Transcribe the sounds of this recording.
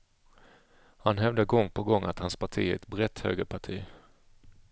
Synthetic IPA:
hanɦɛvd̪əɡɔŋːpʰɔɡɔŋːʔat̪hanspʰaʈʰḭːɛt̪bɾɛt̪hø̰ːɡəpʰaʈʰiː

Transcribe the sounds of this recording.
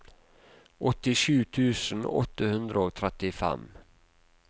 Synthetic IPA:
ʔɔt̪ːɪɕʉ̟ːt̪ʰʉ̟ːsənɔ̰t̪ːahɵnd̪ɾaɔk̚t̪ʰɾɛt̪ːɪfɛ̰mː

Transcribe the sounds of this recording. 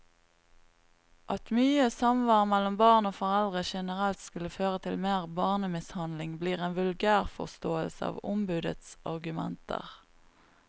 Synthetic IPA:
ʔɑt̪myːəsɑmʋɑʁmɛlːɔmbɑːʁnoːfɔʁɛld̪ʁəʃɛnəʁɛlt̪skʉlːəføːʁət̪ʰɪlmeːʁbɑːʁnəmɪshɑnd̪lɪŋbliːʁeːnʋʉlɡæːʁfɔ̰ʁst̪oːəlsəɑ̰ːʋʊmbʉːd̪ə̰t̪sʔɑʁɡʉmɛ̰nt̪ʰə̰ʁ

